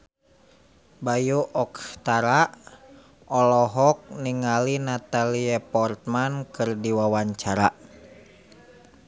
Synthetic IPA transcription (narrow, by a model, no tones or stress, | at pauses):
bajuʔɔkst̪aɾaʔ | ʔɔlɔɦɔk̚niŋalinat̪aliɛpɔrt̪̚mankɨrdiwawaɲt͡ʃaɾa